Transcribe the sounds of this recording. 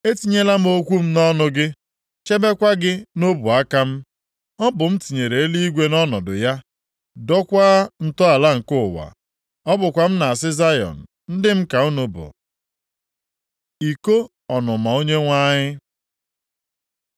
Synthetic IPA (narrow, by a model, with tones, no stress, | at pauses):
e˦ti˦ɲe˦la˦m̩˦o˦kʷu˦m̩˦nɔ˦nʊ˦ɡɪ˦ | t͡ʃe˦be˦kʷa˦ɡɪ˦no˦bu˨a˦ka˦m̩˦ | ɔ˦bʊ˨m̩˦ti˨ɲe˨ɾe˨e˦li˦i˦ɡʷe˦nɔ˦nɔ˨dʊ̰˨ja˦ | dɔ˦kʷa˦n̩˨tɔ˦a˨la˦ŋ̩˨kʊ˦˨wa̰˨ | ɔ˦bʊ˨kʷa˨m̩˦na˨a˨s̬ɪ˦za˦jɔ̰˨n̩˨ | n̩˦dɪ˦m̩˦ka˨u˦nʊ˦bʊ̰˨ | i˨ko˦ | ɔ˨nʊ˨ma˨o˦ɲe˦ŋʷa˦ɲɪ˦